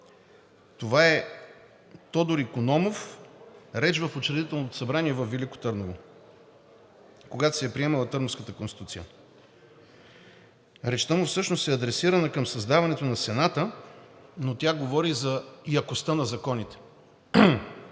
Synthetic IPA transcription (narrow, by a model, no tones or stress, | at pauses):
t̪ovaɛ | t̪ɔd̪oɾikonɔmof | ɾɛt͡ʃvəfot͡ʃɾɛd̪it̪ɛlˠnot̪o̥sɐbɾaniɛvɐfːiliko̥t̪ɤɾnovo | koɡat̪o̥sɛjɛpɾiɛmɐlˠɐt̪ɤɾnofskət̪əkonst̪it̪ut̪sijə | ɾɛt͡ʃt̪ɔmofsɤʃnosɛɐd̪ɾɛsiɾɐnəkəmsɐzd̪avɐnɛt̪onɐsɛnat̪ə | not̪ʲjaɡovɔɾizɐijɐkost̪ənɐzɐkɔnit̪ɛ̥